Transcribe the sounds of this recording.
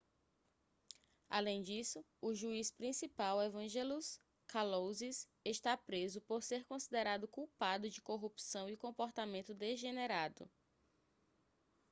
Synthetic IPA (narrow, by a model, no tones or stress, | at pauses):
a̰lẽj̃d͡ʒisʊ | ʊʒuispɾĩsipawevɐ̃ʒɛlus | kalowzis | eʃt̪apɾezʊpoɾseɾkõsid̪eɾad̪ʊkuwpad̪ʊd͡ʒɪkoɦupsɐ̃w̃ikõpoɾt̪amẽnt̪ʊd̪eʒeneɾad̪ʊ̰